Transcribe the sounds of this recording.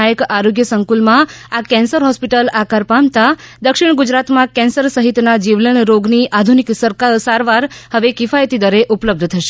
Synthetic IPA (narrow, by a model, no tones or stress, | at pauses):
ajəkaɾoɡjəsəŋkulmãakɛ̃nsəɾɦɔspiʈəlakaɾpamt̪ad̪əkʃiɽ̃ɡud͡ʒɾat̪mãkɛ̃nsəɾsəɦit̪nad͡ʒiʋləɳɾoɡniʔad̪ʱuniksəɾkasaɾʋaɾhəʋekifajt̪id̪əɾeʔupləb̚d̪ʱt̪ʰəʃe̥